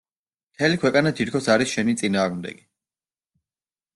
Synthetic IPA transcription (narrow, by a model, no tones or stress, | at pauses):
mt̪ʰɛlikʰwɛkʼanat̪ʰit̪̚kʰɔsaɾisʃɛnit̪sʼinaːʁmd̪ɛ̰ɡi